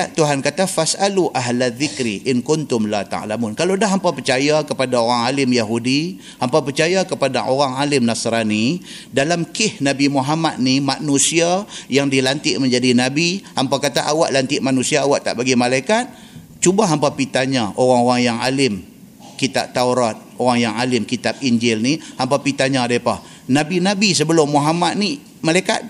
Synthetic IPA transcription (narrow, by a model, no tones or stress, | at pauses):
aʔt̪uɦankat̪afasaluʔaɦlaðːɪkɾiʔɪnkʊnt̪ʊmlat̪a̰ʕlamʊnkalodaɦampapərt͡ʃajakəpadaoɾaŋalɪmjaɦudi | hampapərt͡ʃajakəpadaʔoɾaŋalɪmnasɾani | dalamkɪhnabimuɦamat̪̚nimanusiajaŋdilant̪ɪʔməɲd͡ʒadinabihampakat̪aʔawaʔlant̪ɪʔmanusiaːwaʔt̪a̰ʔbaɡimalajkat̪̚ | t͡ʃubaɦampapit̪aɲaʔoɣaŋoɣaŋjaŋalɪm | kit̪aʔ̚t̪auɾat̪̚oɣaŋjaŋalɪmkit̪ap̚iɲd͡ʒɪlnihampapit̪aɲadapah | nabinabis̬əbəlʊmːoɦamat̪̚ni | malajka̰t̪̚